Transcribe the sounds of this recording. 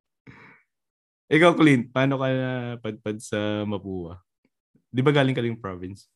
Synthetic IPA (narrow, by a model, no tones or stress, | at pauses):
ʔɪkawklin̚paːno̞kɐnɐpɐd̪̚pɐd̪̚sɐmɐpuːwɐ̰ | d̪ɪbaɡaːlɪŋkɐlɐjpɹovɪns